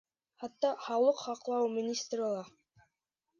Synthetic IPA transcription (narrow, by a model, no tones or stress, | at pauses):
χɑt̪ːɑχɑwlˠɤqχɑqlˠɑwmʲɪnʲist̪rʲɪlˠɑ